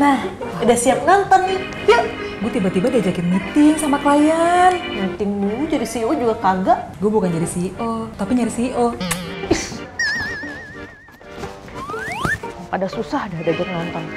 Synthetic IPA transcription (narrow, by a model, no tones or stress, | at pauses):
nah | dahsiap̚nant̪ɔnːɪ | ja | ɡuat̪ibat̪ibadiad͡ʒakɪnmit̪ɪŋsamaklajarnat̪ɪŋnimud͡ʒadisiod͡ʒuɡakaɡaʔɡuabukand͡ʒadisiʔot̪apiɲaɾisiʔo | padasusahdadad͡ʒak̚nant̪ɔn